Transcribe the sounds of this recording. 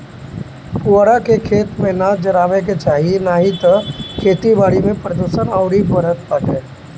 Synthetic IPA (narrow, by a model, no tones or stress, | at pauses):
puɽakekʰeːt̪mẽnad͡ʒɐɾaːʋek̬et͡ʃaːɦienaːɦit̪ɐkʰeːt̪ibaːɽimẽpɾəd̪oːʃənaːʊɾibəɾət̪pakeː